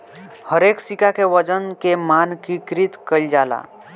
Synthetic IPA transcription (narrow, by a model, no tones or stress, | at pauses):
həɾeːksikakeʋəd͡ʒənkemaːnkikɾit̪kəld͡ʒaːla̰ː